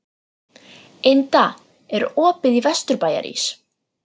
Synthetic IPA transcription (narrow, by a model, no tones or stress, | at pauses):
ejnt̪a | ɛɾɔːpɪðivɛst̪ʏɾpaːja̰ɾḭs